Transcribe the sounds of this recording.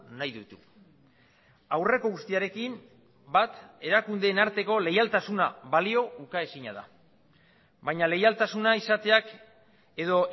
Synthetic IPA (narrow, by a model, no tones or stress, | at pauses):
najðut̪u̥ | awre̞ko̞ɣust̪iaɾe̞kim | bat̪e̞ɾakund̪e̞ːnaɾt̪e̞ko̞le̞jalt̪asunaβalio̞ukae̞siɲa̰ða̰ | βajɲale̞jalt̪asunaisat̪e̞ak | e̞ðo̞